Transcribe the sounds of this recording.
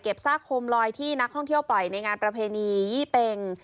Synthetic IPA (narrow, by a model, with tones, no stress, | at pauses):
ke˨˩p̚saː˥˩kʰo˧mlɔː˧jt̪ʰiː˥˩na˦˥k̚t̪ʰɔ˥˩ŋt̪ʰi˥˩əwpɔ˨˩jna˧jŋaː˧npɾa˧pʰeː˧niː˧jiː˥˩pe˧ŋ